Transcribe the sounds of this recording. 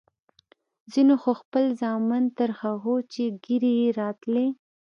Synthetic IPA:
zinoxoxpəlzɑmant̪aɾxaɣot͡ʃeɡiɾijeɾɑt̪le

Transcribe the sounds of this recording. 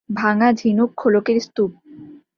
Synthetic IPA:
bʱaŋad͡ʑʱinokʰːolokeɾst̪up̚

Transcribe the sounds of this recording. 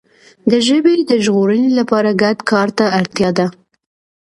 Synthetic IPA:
d̪əʒəbed̪əʒɣoɾənelapɑɾaɡad̪kʰɑɾt̪aːɾt̪jɑd̪a

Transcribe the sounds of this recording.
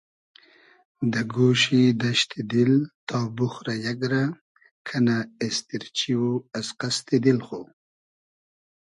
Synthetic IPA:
d̪əɡoʃid̪aʃt̪ʰid̪ilt̪ɑbuxɾajaɡɾa | kʰanaest̪iɾt͡ʃiwoasqast̪id̪ilxo

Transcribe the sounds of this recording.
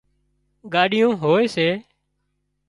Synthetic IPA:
ɡaːɗɪjõːɦoːeːseː

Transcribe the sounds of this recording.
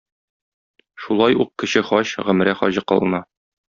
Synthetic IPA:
ʃulˠɑjuq̚kɘ̆ɕɘχɒɕʁɵ̆m̆ɾæχɒ̰ʑɤqɒ̰lˠɤ̆nɑ

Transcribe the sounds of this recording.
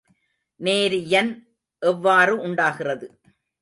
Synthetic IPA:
neːɾjɐn | ʔɛʋːaːrɯʔʊɳɖaːɣɪrɐðɯ

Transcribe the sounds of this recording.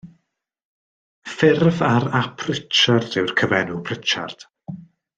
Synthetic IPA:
fɪrvaɾapʰrɪt͡ʃardɪwrkʰəvɛnupʰrɪt͡ʃa̰rd̥

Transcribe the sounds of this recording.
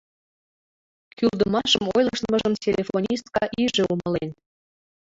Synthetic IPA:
kyld̪ɤmɑʃəmojlˠəʃnmɤ̆ʒɤ̆msʲelʲefonʲist̪̚kɑʔiʒĕumɤ̆len

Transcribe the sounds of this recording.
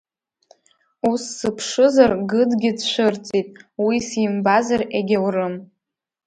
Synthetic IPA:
usːɨpʰʂɨzarɡɨdɡʲɪdʃʷɨrt͡sʼitʼwisimbazareɡʲawrɨm

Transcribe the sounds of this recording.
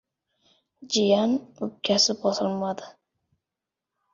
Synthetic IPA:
d͡ʒɪjanʊp̚kʲʰːasɪbɒsɨlˠmad̪ɪ

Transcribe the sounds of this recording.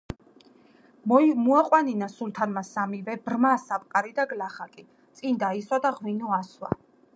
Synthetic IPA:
muaqʼwaninasult̪ʰanmasamivɛbɾmaːsapʼqʼaɾid̪aɡlaχakʼi | t̪sʼind̪aiswad̪aʁwinɔaswa̰

